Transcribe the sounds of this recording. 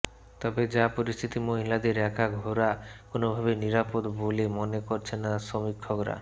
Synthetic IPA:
t̪ɔbed͡ʑapoɾist̪ʰit̪imoɦilad̪eɾɛkʰaɡʱoɾakonobʱabeniɾapod̪bʱolemonekoɾt͡ɕʰenaʃomikʰːokɾa̰

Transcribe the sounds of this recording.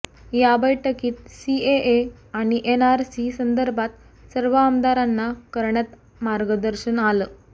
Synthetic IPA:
jabəjʈəkiːt̪sieʔeaɽ̃iʔenaɾsisənd̪əɾbʱat̪̚ | səɾʋəamd̪aɾanːakəɾɳat̪ | maɾɡəd̪əɾɕənaləː

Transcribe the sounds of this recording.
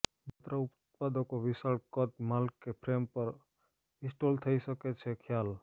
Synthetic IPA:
bʱət̪ɾaʊp | pad̪ɔkoʋɪsaɽkət̪malkːepʰɾeːmpəɾ | ɪ̃sʈoːlt̪ʰəisəket͡ʃʰekʰjaːl

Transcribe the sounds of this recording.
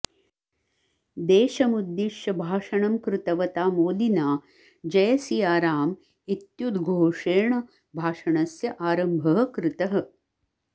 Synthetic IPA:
d̪eːʃɐmud̪ːiʂjɐbʱaːʂɐɳɐmkɾɪt̪ɐʋɐt̪aːmoːlinaː | d͡ʒɐjɐsijaːɾaːm | it̪jud̪ɡʱoːʂeːɳɐ | bʱaːʂɐɳɐsjɐʔaːɾɐmbʱɐɦɐ̆kɾɪt̪ɐɦɐ̆

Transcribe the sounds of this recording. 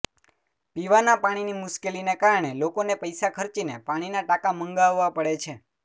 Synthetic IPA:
piʋanapaɽ̃inimʊʃkelinekaɾəɳ̃elokonepəjsakʰəɾt͡ʃinepaɽ̃inaʈakaməŋɡaʋːapəɽet͡ʃʰe

